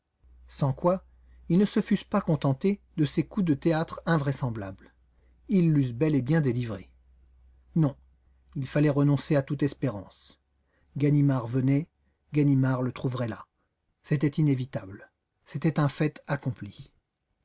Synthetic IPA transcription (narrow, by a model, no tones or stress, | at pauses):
sɑ̃kwa | ilnəsəfyspakɔ̃t̪ɑ̃t̪ed̪əsekud̪ət̪eat̪χɛ̃vʁɛsɑ̃blabl | ilːys̬bɛlebjɛ̃d̪elivʁe | nɔ̃ | ilfalɛʁənɔ̃seat̪ut̪ɛspeʁɑ̰̃s | ɡanimaʁvənɛ | ɡanimaʁlət̪χuvʁɛla | set̪ɛt̪inevit̪abl | set̪ɛt̪ɛ̃fɛt̪akɔ̃pli